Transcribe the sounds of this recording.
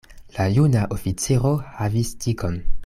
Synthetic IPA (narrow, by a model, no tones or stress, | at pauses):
lajunaʔo̞fit͡siɾo̞havistʰiko̞n